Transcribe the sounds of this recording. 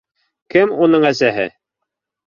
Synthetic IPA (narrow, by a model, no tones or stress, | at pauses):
kɘmunɤɴæsæɦɘ̰